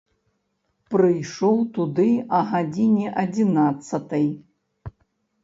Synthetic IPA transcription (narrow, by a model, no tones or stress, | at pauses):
pɾɨjʂɔwt̪ud̪ɨɐɣad͡zʲinʲɛʔɐd͡zʲinat̪sːɐt̪ɐj